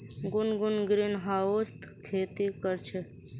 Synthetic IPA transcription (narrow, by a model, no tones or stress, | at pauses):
ɡʊnɡʊnɡɾinɦaːost̪ʰkʰeːt̪ikəɾt͡ʃʰe